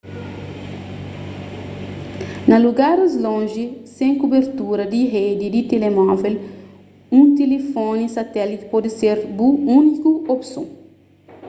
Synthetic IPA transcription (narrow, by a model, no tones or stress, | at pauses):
nɐluɡaɾzlõʒisẽŋkubeɾt̪uɾɐd̪iɦed̪id̪it̪elemɔvel | ũt̪elefonisɐt̪ɛlit̪i̥pɔd̪iseɾbuunikuopsõ